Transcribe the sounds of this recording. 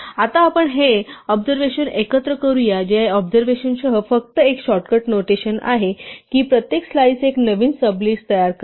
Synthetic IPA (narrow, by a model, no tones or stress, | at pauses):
at̪aːpəɳɦeɔbd͡zəɾʋeɕənekət̪ɾəkəɾujad͡ʑeɔbd͡zəɾʋeɕənsəɦəfək̚t̪əekɕɔʈkəʈnoʈeɕəna̰ɦekiːpɾət̪jekslaiseknəʋiːnsəbliːst̪əjaɾkə